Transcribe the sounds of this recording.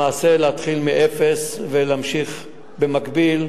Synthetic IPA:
aːse̞leat̪χilmiʔefesveleamʃiχ | bemakbil

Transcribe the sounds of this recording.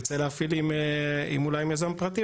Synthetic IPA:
t͡seleafilimeḭmulajimjazampʁat̪i

